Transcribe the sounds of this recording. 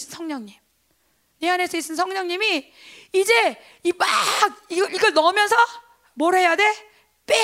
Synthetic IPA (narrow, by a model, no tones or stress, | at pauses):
sʰɯnsʰʌŋɲʌŋɲim | ɲeanɦes͈ʰɯis͈ʰɯnsʰʌŋɲʌŋɲimi | id͡ʑe̞ | imaɡ̚iɡʌiɡʌɭnʌmjʌnsʰʌ | moɾɦe̞jade̞ | p͈e